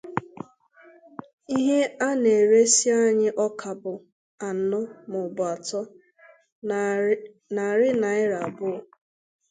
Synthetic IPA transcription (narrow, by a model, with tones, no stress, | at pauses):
i˦ɦe˦a˦ne˨ɾe˦si˦a˦ɲɪ˦ʔɔ˦kʰa˨bʊ˨ | a˨n̩˨nʊ˦mʊ˨bʊ˨a˨tɔ˦ | na˨ɾɪ˦na˨ɪ˦ɾa˨bʊ˦˨